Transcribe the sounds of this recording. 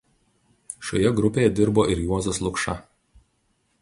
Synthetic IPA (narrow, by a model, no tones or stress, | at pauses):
ʃʲo̰ːjɛɡɾʊpʲeːjɛd̪ʲɪɾboːʔɪɾjuɔzoslˠʊkʃɐ